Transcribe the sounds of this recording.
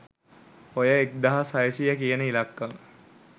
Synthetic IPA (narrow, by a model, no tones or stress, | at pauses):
ojəek̚d̪aɦasajəsijəkijənəilakːaŋ